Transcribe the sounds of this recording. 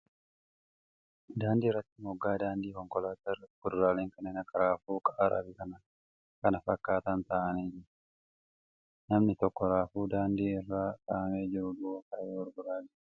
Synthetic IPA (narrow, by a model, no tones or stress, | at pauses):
d̪aːnd̪iːrːɐt̪ːɪmɔɡːaːd̪aːnd̪iːkɔŋkɔlaːt̪ɐɾkʊd̪ʊɾaːleːŋkɐnɛnɐkɐɾaːfuːkʼɐʔːɾɐ̰bɪkɐnɐ | kɐnɐfɐkːaːt̪ɐnt̪ɐʔɐneːd͡ʒɪɾ | nɐmnɪt̪ɔkːɔɾaːfuːd̪aːnd̪iːɪrːaːkʼaːɐme̞ːd͡ʒɪɾʊd̪ʊɔkɐeːwɔɾɡʊɾaːd͡ʒɪ